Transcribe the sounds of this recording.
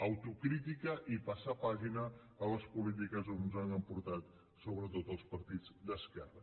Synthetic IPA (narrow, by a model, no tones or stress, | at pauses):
əwt̪ukɾit̪ikəʔipasapaʒinə | ələspulit̪̬ikəzonnzanəmpuɾt̪at̪̚ | soβɾət̪ot̪əlˠspəɾt̪id͡zd̪əskɛrə